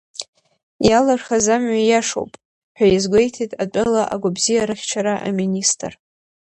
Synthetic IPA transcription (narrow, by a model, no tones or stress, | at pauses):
jalarχazamɥajaʂo̰wpʼ | ħᶣʷajazɡʷe̞jtʰitʼatʼalaʔa̰ɡʷabzijaɾɨχʲt͡ʃʷʰaɾaʔa̰ministʰʼɨr